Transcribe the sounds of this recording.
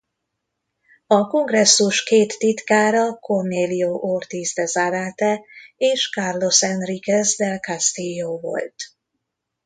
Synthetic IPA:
ɒko̞ŋɡrɛsːuʃkeːt̪ːit̪kaːɾɒkorneːlioʔort̪izd̪ɛzaɾaːt̪ɛeːʃkarlo̞sɛnrikɛzd̪ɛlkast̪ijoːvo̞̰lt̪

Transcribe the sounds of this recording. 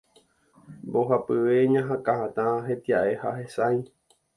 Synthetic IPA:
mboɦapɨʋeɲãɦãkahãt̪ãɦet̪iaʔe̞hahesaj

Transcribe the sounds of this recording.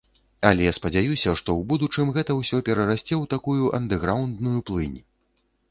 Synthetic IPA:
ɐlʲɛjaspɐd͡zʲajusʲɐʂt̪ɔwbud̪ut͡ʂɨmɣɛt̪ɐwsʲɔpʲɛɾɐɾasʲt͡sʲɛwt̪akujuʔɐnd̪ɛɣɾawnd̪nujuplˠɨnʲ

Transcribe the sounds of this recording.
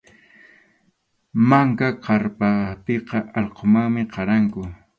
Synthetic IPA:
maŋkaqɑɾpapeqɑʔɑʎqʰomaŋmɪqɑɾaŋkʊ

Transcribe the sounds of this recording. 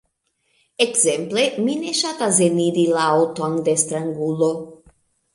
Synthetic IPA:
ekzemplemineʃat̪aseniɾilaawt̪and̪est̪ɾaŋɡulo

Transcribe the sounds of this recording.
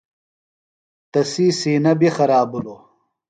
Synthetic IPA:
t̪ɐsiːsiːnɐbixɐɾaːbuloː

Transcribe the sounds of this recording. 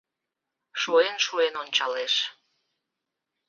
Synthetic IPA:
ʃuenʃuenonʲt͡ɕɑleʃ

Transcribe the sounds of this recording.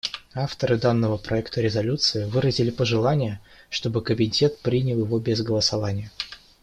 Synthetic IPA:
aft̪əɾɨd̪anːəvəpɾʔɐɛkt̪əɾʲɪzɐlʲut̪sɨɪvɨɾəzʲɪlʲɪpəʐɨlˠanʲɪjə | ʂt̪o̞bɨkəbʲɪnʲtʲe̞t̪pɾʲinʲəlˠjɪvo̞bʲɪzɡəlˠəsɐvanʲɪjə

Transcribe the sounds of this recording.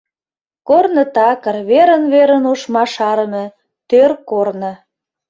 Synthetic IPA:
kornə̆t̪ɑkə̆rβeɾənβeɾənoʃmɑʃɑɾəmĕ | t̪ørkornə̆

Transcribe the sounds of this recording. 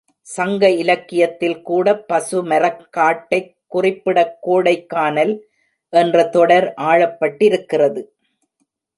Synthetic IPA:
sɐŋɡɐɪlɐkːɪjɐt̪ːɪlkuːɽɐpːɐsɯmɐɾɐkːaːʈːɐɪkːʊrɪpːɪɽɐkːoːɽɐɪkːaːnɐl | ʔɛndrɐt̪ɔɽɐɾʔaːɻɐpːɐʈːɪɾɯkːɪrɐðɯ

